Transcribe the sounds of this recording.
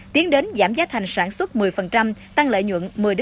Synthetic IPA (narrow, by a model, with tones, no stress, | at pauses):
t̪i˨˦əŋɗe˨˦nzaː˧˩mzaː˨˦t̪ʰa˨˩jŋ̟saː˧˩nswə˦˥t̚mɨ˨˩əjfə˨˩nt͡ɕa˧mt̪a˧ŋlə̰ː˧˨jɲwə̰˧˨nmɨ˨˩əjɗɨ˦˥